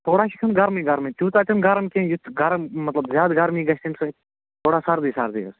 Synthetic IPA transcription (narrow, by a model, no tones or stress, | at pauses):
t̪ʰoːɽaːʃikʰɐnɡɐɾmiːɡɐɾmit͡ʃuːt̪aːt͡ʃɐnɡaɾmkẽːnjut̪ʰːɡɐɾmɐt̪lɐbzʲjaːd̪ɡaɾmiːɡɐʃt̪insɐ | t̪ʰoːɽaːsaɾd̪iːsaːɾd̪ḭːɐ̰s